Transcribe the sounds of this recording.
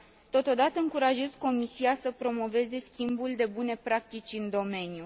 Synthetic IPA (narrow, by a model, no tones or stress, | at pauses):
t̪o̞t̪o̞d̪at̪əɨŋkuɾaʒe̞zko̞misiasəpɾo̞mo̞ve̞ze̞skʲimbuld̪e̞bune̞pɾak̚t̪it͡ʃʲɨnd̪o̞me̞nju